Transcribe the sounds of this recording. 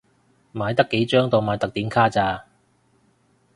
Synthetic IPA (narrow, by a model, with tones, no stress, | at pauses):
m̩˨aː˨˧jt̪ɐ˥kːe˨˥jt͡ʃœː˥ŋt̪o˨wmaː˨˧jt̪ɐ˨k̚t̪iː˨˥nkʰaː˥t͡saː˧